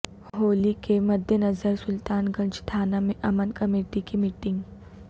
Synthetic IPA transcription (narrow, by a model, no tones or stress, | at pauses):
ɦoːlikemɐd̪ʱjənɐzəɾsʊlt̪aːnɡɐ̃ɲd͡ʒt̪ʰaːnamẽʔɐmənkɐmeːʈikimɪʈɪ̃ŋɡ